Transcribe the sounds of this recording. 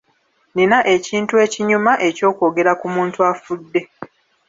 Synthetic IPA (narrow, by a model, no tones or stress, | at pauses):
ninaʔe̞ciːntue̞ːciɲumaʔe̞co̞ːkoːɡe̞ɾakumuːntuafudːe̞